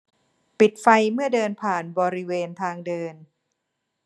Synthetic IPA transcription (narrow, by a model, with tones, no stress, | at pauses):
pi˨˩t̪̚fa˧jmɯ˥˩ɐdɤː˧npʰaː˨˩nbɔː˧ɾi˦weː˧nt̪ʰaː˧ŋdɤː˧n